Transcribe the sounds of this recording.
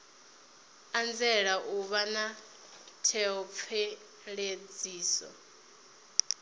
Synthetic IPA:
and͡zɛɺaʔuβana | tʰɛɔp̪fʰɛ | ɺed͡ziːsɔ̰

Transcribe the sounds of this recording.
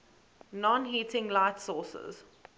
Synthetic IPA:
nɔ̃nɦiːtʰɪ̃ŋlaɪtsɔːsə̰z̥

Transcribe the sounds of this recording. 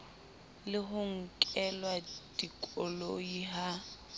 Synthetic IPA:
lɪɦʊŋ̩kʼɛlwad̥ikʼɔloiɦa

